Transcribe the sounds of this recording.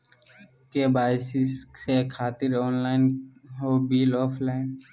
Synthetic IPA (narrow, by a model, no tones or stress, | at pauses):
kebaːɪsɪssekʰaːt̪ɪɾɔːnlaːɪnɦoːbiːlɔːpʰlaːɪn